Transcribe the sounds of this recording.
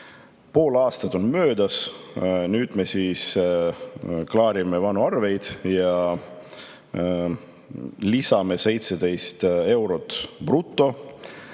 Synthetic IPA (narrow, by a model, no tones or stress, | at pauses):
po̞ːlɑːst̪ɑt̪o̞nmø̞ːd̪̥ɑs | nyːd̪̥mesiːs | klɑːɾime̞vɑnuɑrve̞jd̪̥jɑ | lisɑme̞se̞jt̪sed̪e̞jst̪e̞wɾo̞t̪b̥rut̪ːˑo̞